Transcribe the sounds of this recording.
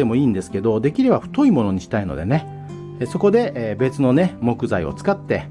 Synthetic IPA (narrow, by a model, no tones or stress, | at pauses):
e̞mo̞iːnd̪e̞sɨ̥ke̞d̪o̞d̪e̞kʲiɾe̞baɸɯ̟̥t̪o̞imo̞no̞ɲ̟iɕi̥t̪aino̞̰d̪e̞ne̞ | so̞ko̞d̪e̞ʔːbe̞t͡sɨno̞ne̞mo̞kɯ̟zaḭo̰t͡sɨ̥kat̪ːe̞̰